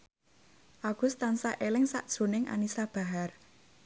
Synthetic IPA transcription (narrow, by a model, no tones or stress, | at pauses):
ʔaɡ̥ʊ̤st̪ansaʔelɪŋsa̰ʔd̥ʒ̥o̤nɪŋʔa̰nisab̥a̤ɦar